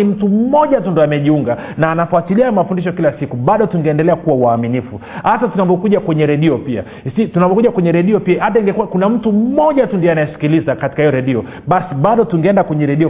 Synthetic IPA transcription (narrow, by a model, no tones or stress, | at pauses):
im̩tum̩mɔʄatundiɔamɛʄiuŋɡa | naːnafuatiliamafundiʃɔkilasikuɓaɗɔtuŋɡɛɛndɛlɛakuwawaːminifuhatatunapɔkuʄakwɛɲɛɾɛɗiɔpia̰ | situnapɔkuʄakwɛɲɛɾɛɗiɔpiahataiŋɡɛkuwakunam̩tum̩mɔʄatundiɛanajɛsi̥kilizakati̥kahijɔɾɛɗiɔ | ɓasiɓaɗɔtuŋɡɛɛndakwɛɲɛɾɛɗiɔ